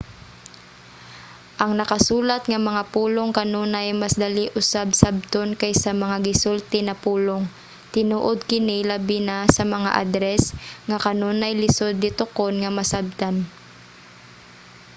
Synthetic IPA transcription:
ʔɐŋnɐkɐsuːlɐt̪ŋɐmɐŋapuːloŋkɐnonajmɐsd̪ɐliʔʊsabsab̚t̪onkajsɐmɐŋaɡɪsʊlt̪ɛnɐpuːloŋ | t̪ɪnuːʔod̪̚kɪnɪlɐbɪnasɐmɐŋa̰ʔa̰d̪ɾɛsŋakɐnonɐjlɪsod̪̚nɪt̪ʊkonŋɐmɐsab̚t̪an

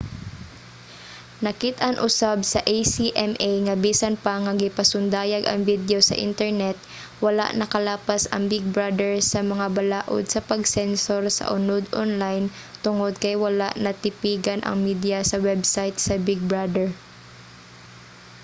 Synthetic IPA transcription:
nɐkɪt̪ʔɐnʔʊsab̚sɐʔejsiʔɛmʔejŋɐbiːsɐnpɐŋɐɡɪpɐsʊnd̪aːjɐɡʔɐ̰ŋvid̪ɛosɐ̰ʔɪ̰nt̪ɛɹnɛt̪̚ | wɐla̰ʔnɐkɐlaːpɐsɐ̰ŋbɪɡ̚bɹad̪ɛɹsɐmɐŋabɐlaːʔo̰d̪̚sɐpɐɡsɛnsoɾsɐ̰ʔʊnod̪ʔo̰nlajn | t̪ʊŋod̪̚kɐjwɐlaʔnɐt̪ɪpiːɡɐnʔɐ̰ŋmid̪jɐsɐwɛbsajt̪sɐbɪɡ̚bɹad̪ɛɹ

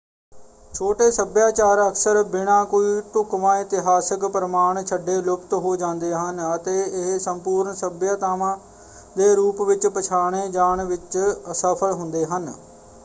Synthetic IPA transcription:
t͡ʃʰoːʈeːsəbjaːt͡ʃaːɾəksəɾbɪɽãːkoiːt̪ʊkʋãːɪt̪ɪɦaːsəkpəɾəmaːɳt͡ʃʰəɖːeːlʊpt̪ɦoːd͡ʒãːnd̪eːɦənət̪eːɪɦsəmpuːɾɳsəbjaːt̪aːmãː | d̪eːɾuːpʋɪt͡ʃpət͡ʃʰaːɳ̃eːd͡ʒaːɳʋɪt͡ʃsəpʰəlɦʊnd̪eːɦən

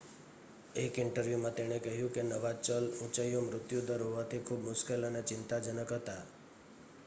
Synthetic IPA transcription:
ekɪɳʈəɾʋjumãt̪eɽ̃ekəɦjũkenəʋat͡ʃəlũt͡ʃəjomɾʊt̪jud̪əɾɦoʋat̪ʰikʰubmʊʃkelənet͡ʃɪnt̪ad͡ʒənəkɦət̪a

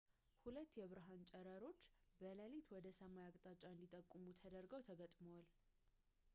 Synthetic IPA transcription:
hulət̪ːjɛβɨɾɦant͡ʃʼɛɾəɾo̞t͡ʃːbələlet̪wɔd̪əsəmajakʼt̪ʼat͡ʃʼaɨnd̪it̪ʼəkʼːumut̪ʰəd̪əɾɡəwt̪ʰəɡət̪ʼmoal

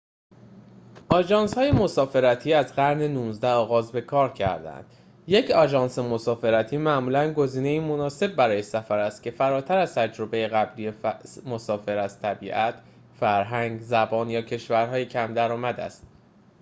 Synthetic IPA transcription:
ʔɒːd͡ʒɒːnshɒːjemo̞sɒːfe̞ɾæt̪ʰiːæzɢæɾnenuːnzd̪æɒːɣɒːzbe̞kʰɒːɾcʰæ̰ɾd̪æ̰nd̪̥ | je̞cʰɒːd͡ʒɒːnsemo̞sɒːfe̞ɾæt̪ʰiːmæmuːlænɡo̞ziːne̞iːmo̞nɒːse̞b̚ːæɾɒːjesæfæɾæst̪̚cʰe̞fæɾɒːt̪ʰæɾæz̥t̪ʰæd͡ʒɾo̞be̞jeɣæbliːjemo̞sɒːfe̞ɾæz̥t̪ʰæbiːʔæt̪ | fæɾɦæŋɡzæbɒːnjɒːcʰe̞ʃvæɾɦɒːjecʰæmd̪æɾɒːmæd̪æ̰st̪̚

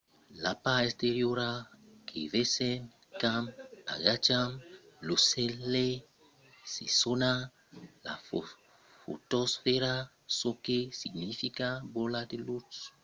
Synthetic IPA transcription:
lapaɛsteɾjoɾakʰḛvesɛn | kama̰ɡat͡ʃamlosɛle | sesona | la̰f | fo̰tɔsfɛɾa | sokesiɡnifikaboladelut

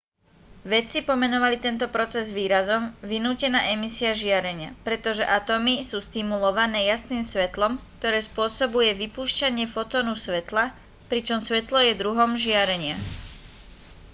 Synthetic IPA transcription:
ʋɛt͡sipɔmɛnɔʋalit̪ɛnt̪ɔpɾɔt͡sɛzʋiːɾazɔmʋinuːcɛnaːʔɛmisiaʒɪaɾɛɲɪa̰pɾɛt̪ɔʒɛʔat̪ɔmisuːst̪imulɔʋanɛːjasniːmsʋɛt̪lɔmk̚t̪ɔɾɛːspʊɔsɔbujɛʋipuːʃcaɲɪɛfɔt̪ɔːnusʋɛt̪la | pɾit͡ʃɔmsʋɛt̪lɔjɛd̪ɾuɦɔmʒɪaɾɛɲɪa

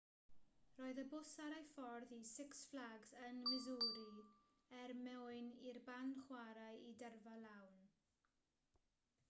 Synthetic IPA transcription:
roːɨðəbʊsaɾajfɔrðisɪksflaɡzənmɪzuːɾi | ɛrmɛɨnirbanχwaɾajidɛrvalawn

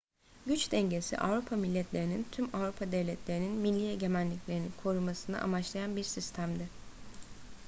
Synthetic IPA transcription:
ɟyt͡ʃd̪ɛɲɟe̞sḭʔa̰vɾupʰamilʲːɛt̪ʰlʲe̞ɾinint̪ʰymavɾupʰad̪evlʲɛt̪ʰlʲe̞ɾininmilʲːijeɟe̞mænlːʲiclʲe̞ɾinikʰo̞ɾumasɯnɯ̰ʔa̰mat͡ʃlˠajanbiɾsist̪ʰæmd̪ɪ

